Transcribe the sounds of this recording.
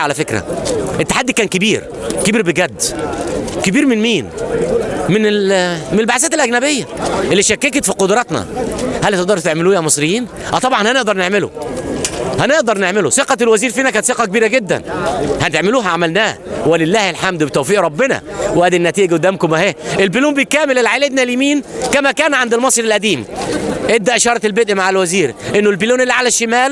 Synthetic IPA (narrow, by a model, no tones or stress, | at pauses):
ʕalæfekɾæ̰ʔet̪ːaħad̪ːikæːnkebiːɾ | kebiːɾbeɡæd̪ː | kebiːɾmɪnmiːn | menelmenelbaʕasæːt̪elʔæɡnæbejːæʔelːiʃækːeket̪fiqod̪ɾˤɑt̪næ̰hælhæt̪eʔd̪ɑɾht̪eʕmɪluːjæmesˤɾɪjːiːn | ʔæt̪ˤɑbʕɑnhæneʔd̪ɑɾˤneʕmelo̰ | hæneʔd̪ɑɾˤneʕmeloseqɑtelwæziːɾfiːnækæːnt̪seqɑkebiːɾæɡed̪ːæ̰nhænt̪eʕmɪluːɦæʕamælnæːhwelɪlːæːhelħamd̪bet̪æwfiːʔɾˤɑbːɪnæ̰wʔæd̪inːæt̪iːʔɡʊd̪ːæːmkʊmæheːʔelbiluːmbejkæːmelelʕaled̪næliːmiːnkæmækæːnʕand̪elmɑsˤɾelʔæd̪iːmʔebd̪æʔeʃɑːɾˤɑt̪elbed̪ʔmaʕalwæziːɾʔenːolbiluːnelːiʕalæʃːemæːl